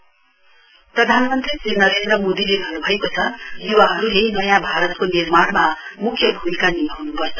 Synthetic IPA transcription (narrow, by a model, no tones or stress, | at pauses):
prʌd̪ʱanmʌnt̪risinʌɾend̪rʌmod̪ileɡʱʌnobʱʌekot͡sʰʌd̪iwaɦʌɾuɦejnʌjãbʱaɾʌt̪konirmanmamukʰjʌbʱumikanijʌɦunupʌrt͡sʰʌ̥